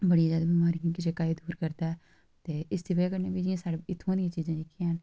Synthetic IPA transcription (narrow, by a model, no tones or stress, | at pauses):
bəɽiːzaːd̪aːbiːmaːɾĩːkɪd͡ʒeːkaːid̪uːɾkəɾd̪aːɛ | t̪eːɪst̪ʰiːbəaːkəɾneːbiːd͡ʒĩãːsaːɽeɪt̪ʰːõːd̪ijãːt͡ʃiːzãːlɪkʰːɦən